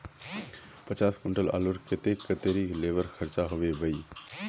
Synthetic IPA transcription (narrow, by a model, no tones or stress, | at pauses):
pət͡ʃaːskʊɳʈəla̰ːluɾkɪt̪ekət̪eːɾileːʋəɾxʰəɾt͡ʃaɦʊʋebəi